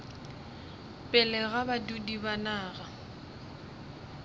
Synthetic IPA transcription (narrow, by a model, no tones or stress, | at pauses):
pʼɪlɛɣabadudibanaːɣa